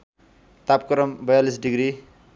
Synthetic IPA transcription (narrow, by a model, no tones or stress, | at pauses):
t̪ap̚kʌɾʌmbʌjalis̬ɖiɡɾi